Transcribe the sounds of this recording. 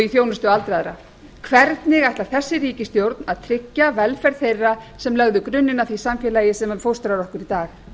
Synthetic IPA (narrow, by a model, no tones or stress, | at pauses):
iθjownʏst̪ʏalt̪ɾaðɾa | kʰvɛɾt̪nɪɣajht̪lḁθɛsːɪɾiːcɪst̪jowɾt̪naðt̪ʰɾɪcːavɛlfɛɾðθejrːasɛmlœɣðʏkɾʏnːɪnaθisamfɛlajɪsɛmɛmfowst̪ɾaɾɔhkʏɾit̪aːx